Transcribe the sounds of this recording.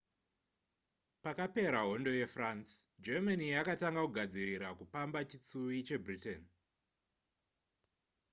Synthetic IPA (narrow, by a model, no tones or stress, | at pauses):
pakape̞ɾaɦo̞ndo̞je̞fransd͡ʒemanijakataŋɡakuɡʱad͡ziɾiɾakupambat͡ʃit͡suit͡ʃe̞bʱriten